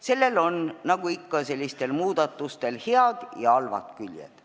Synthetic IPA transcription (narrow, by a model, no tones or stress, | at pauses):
se̞lːe̞lo̞nnɑɡ̥uikːɑse̞lʲːist̪e̞lmuːd̪̥ɑt̪ːˑust̪e̞lheɑd̪̥jɑɑlvɑ̰t̪kylʲjḛd̪̥